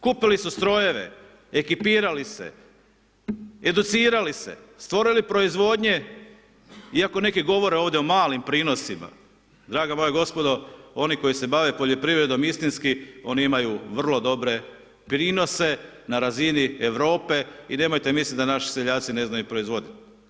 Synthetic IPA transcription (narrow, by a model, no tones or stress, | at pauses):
kupilisust̪ɾo̞je̞ʋe̞̰ | ekipiːɾalise̞̰ | ed̪ut̪siːɾalise̞̰st̪ʋo̞ɾilipɾo̞izʋo̞d̪ɲe̞ | iako̞ne̞kiɡo̞ʋo̞ɾeo̞ːʋd̪ʲeo̞maːlimpɾiːno̞sima̰ | d̪ɾaːɡamo̞jeɡo̞spo̞d̪o̞o̞niko̞jise̞baʋepoʎo̞pɾiʋɾe̞d̪o̞mist̪inskio̞niimajuʋr̩lˠo̞d̪o̞bɾe̞ | pɾiːno̞se̞naɾazinieʋɾo̞ːpe̞ine̞ːmo̞jt̪emislit̪d̪anaʃi̥seʎaːt̪sine̞znajupɾo̞izʋo̞d̪it̪